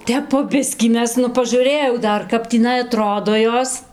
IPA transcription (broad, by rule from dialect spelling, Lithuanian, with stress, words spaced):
ˈtʲɛp poː ˈbʲɪsʲkʲiː ˈmʲɛs nʊ pɐˈʒuːrɘjɛʊ ˈdɐr kɐp tʲiːˈnɐɪ ɐˈtroːdoː ˈjoːs